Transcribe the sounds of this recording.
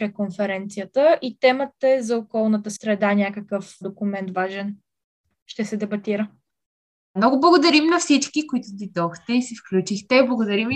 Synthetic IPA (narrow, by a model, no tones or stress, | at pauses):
pɾɛkonfɛɾɛnt̪sijət̪əʔit̪ɛmət̪əɛzɐokɔlˠnət̪əsɾɛd̪anʲakəkəfd̪okʊmɛnt̪vaʒɛn | ʃt̪ɛsɛd̪ɛbɐt̪iɾə | mnɔɡʊblˠɐɡʊd̪ɐɾimnɐfsit͡ʃkikʊit̪ʊd̪id̪ɔxt̪ɛisifklʲut͡ʃixt̪ɛblˠɐɡʊd̪ɐɾim